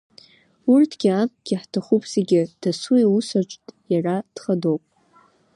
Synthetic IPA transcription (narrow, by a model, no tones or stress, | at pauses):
urtʰɡʲiap̚ʼɡʲɪħtʰaχupʼz̥eɡʲɪd̥asujusat͡ʃʷʼtʼjarad̥χado̞wpʼ